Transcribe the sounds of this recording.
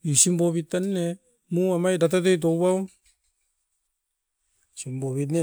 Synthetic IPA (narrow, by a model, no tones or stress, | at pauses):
isimboβitːanːe | muamajdatet̬ejt̬owβaw | simboβit̬ne